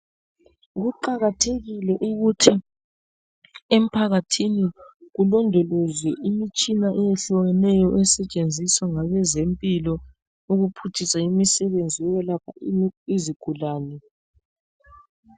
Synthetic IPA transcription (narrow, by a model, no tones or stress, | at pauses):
ɣuǃaɣatʰeɣilɛʔuɣutʰi | em̩pʰaɣatʰiniɣulɔndʱɔlɔzwɛʔimit͡ʃʼinaʔɛjeɬɔwɛnɛjɔʔɛsɛt͡ʃʼend͡zʱiswaŋaβɛzempʼilɔ | uɣupʰutʰisaimisɛβend͡zʱijɔβɛlakʰaiziɡ̥ʱulaːnɛ